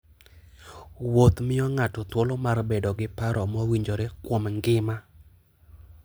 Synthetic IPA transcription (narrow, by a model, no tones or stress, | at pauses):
wot̪mɪɔŋatɔt̪wolɔmarbedɔɡɪpaɾɔmɔwiɲd͡ʒoɾekwomŋɡɪma